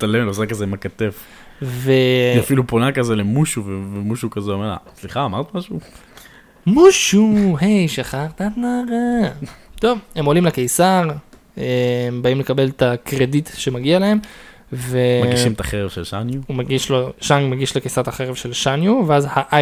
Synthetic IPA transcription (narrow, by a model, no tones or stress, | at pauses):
t̪alemlosakazemakat̪ef | veafiluponakazelemuʃuvevemuʃukazeomeʁla̰sliχaːmaʁt̪maʃu | muʃuɦejʃaχaʁt̪at̪naʁa | t̪o̞vhe̞mo̞limlakejsaʁ | embaimle̞kabe̞ltakʁeditʃe̞maɡialahe̞m | veaɡɡiʃimet̪aχeʁevʃelʃanjuhumaɡiʃloʃanjmaɡiʃlekejsaʁt̪aχeʁevʃe̞lʃanjuveazhaʔa